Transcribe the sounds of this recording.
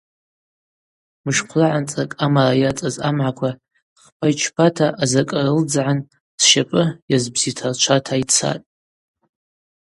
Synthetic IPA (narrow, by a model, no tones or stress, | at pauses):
mɨʂqʷʰlaʕant͡sʼakʼamarajat͡sʼazamʕakʷʰa | χpʰajt͡ʃʰpʰatʰaʔazakʼarɨld͡zʕan | sʃapʼɨjazbzitʰart͡ʃʷʰatʰait͡sʰa̰tʼ